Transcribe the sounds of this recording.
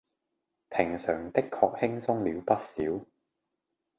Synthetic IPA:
pʰɪ˨˩ŋsœː˨˩ŋt̪ɪ˥kʰːɔ̰ː˧k̚hɪ˥ŋsʊ˥ŋliː˨˧wpɐ˥t̚siː˨˥w

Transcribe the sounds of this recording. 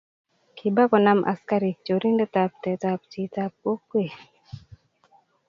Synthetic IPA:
kʰɪ˨ba˦kɔ˨na˦mʔa̰˨ska˦ɾi˨t͡ʃo˨ɾi˦nde˦ta˨p̚tɛ˨ta˨p̚t͡ʃi˨ta˨p̚o˦kːwe˨

